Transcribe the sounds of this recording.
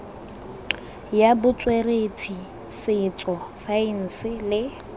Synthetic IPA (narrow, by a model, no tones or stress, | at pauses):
jabʊt͡sʼweretʰi | sɪt͡sʼɔsaɪn̩ːsɪlɪ